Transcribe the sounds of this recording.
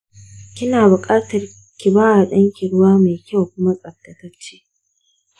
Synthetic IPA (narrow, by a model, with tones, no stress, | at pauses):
kʲɪ˦naː˨bʊ˨kʼaː˦tɐ˨r | kʲi˨baː˦wa˨ɗɐ˦ŋkʲi˨ɽʊ˦waː˦me˨kʲa˦˨wkʷʊ˦ma˦sʼɐ˨tːɐ˨tɐ˦t͡ʃːeː˦